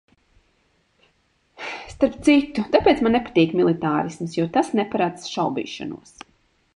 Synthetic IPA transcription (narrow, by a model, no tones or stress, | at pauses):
st̪aɾp̚t̪sit̪ut̪apeːt̪smannːɛpḁt̪iːkmilˠit̪aːɾismsjɔt̪asnɛpaɾad̪zʃawbḭːʃa̰nṵɔs